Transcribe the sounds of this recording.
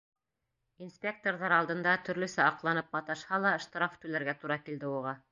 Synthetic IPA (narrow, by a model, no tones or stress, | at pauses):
inspʲek̚t̪orðɑɾɑlˠd̪ɤ̆nd̪ɑt̪ɵ̆ɾlɵ̆sæɑqlˠɑnɤp̚mɑt̪ɑʃhɑlˠɑ̆ʃt̪ɾaft̪ʉlæɾɡæt̪uɾɑkild̪ɘuʁɑ